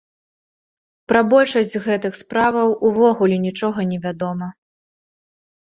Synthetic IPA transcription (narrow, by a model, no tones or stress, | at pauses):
pɾɐbɔlʲʂɐsʲd͡zʲɣɛt̪ɨxspɾavɐwʔuvɔɣulʲɛnʲit͡ʂɔɣɐnʲɛvʲad̪ɔmɐ